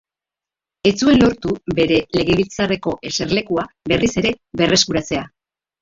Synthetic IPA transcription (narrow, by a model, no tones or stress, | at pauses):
e̞t͡sue̞nlo̞ɾt̪ube̞ɾe̞le̞ɣe̞β̞ilt͡sare̞ko̞ʔe̞se̞ɾle̞kuaβe̞rise̞ɾe̞βe̞re̞skuɾat͡se̞a